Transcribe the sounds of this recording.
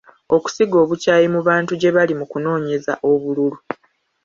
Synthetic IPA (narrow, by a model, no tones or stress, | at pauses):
o̞ku̥siɡo̞ːβucaːjimuβaːntuɟe̞βalimukuno̞ːɲe̞za̰ʔo̞βululu